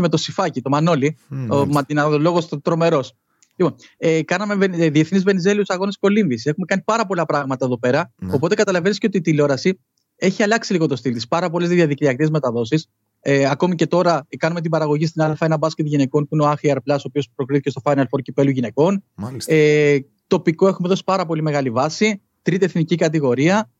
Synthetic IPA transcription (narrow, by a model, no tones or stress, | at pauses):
eme̞t̪osifɐcit̪o̞mɐno̞limɐinɐlo̞ɣost̪ɾo̞me̞ɾo̞s | lipo̞nekɐnɐme̞veðie̞θnizve̞nize̞liu̥sɐɣo̞nisko̞liɱvisexume̞kɐnipɐɾɐpo̞lɐpɾɐɣmɐt̪ɐe̞ðo̞pe̞ɾɐo̞po̞t̪e̞kɐt̪ɐlɐve̞nisceo̞t̪it̪ilo̞ɾɐsi | e̞çiɐlɐksiliɣo̞t̪o̞st̪ilt̪ispɐɾɐpo̞lezðiðiɐðikɾiɐkeme̞t̪ɐðo̞sis | eɐko̞mice̞t̪o̞ɾɐkɐnume̞t̪ibɐɾɐɣo̞ʝist̪inɐlfɐe̞nɐbɐsket̪ʝine̞ko̞npuineoɐxiɐɾplɐsopio̞spɾo̞kɾiθicest̪o̞fɐjnɐlfo̞ɾcipe̞luʝine̞ko̞nse | t̪o̞piko̞e̞xume̞ðo̞si̥pɐɾɐpo̞lime̞ɣɐlivɐsi | t̪ɾit̪ie̞θnicikɐt̪̬iɣo̞ɾiɐ